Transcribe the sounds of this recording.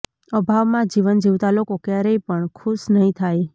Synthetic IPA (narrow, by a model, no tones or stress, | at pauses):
əbʱaʋmãd͡ʒiʋənd͡ʒiʋt̪alokokjaɾəjpəɳkʰuʃnəɦĩt̪ʰaj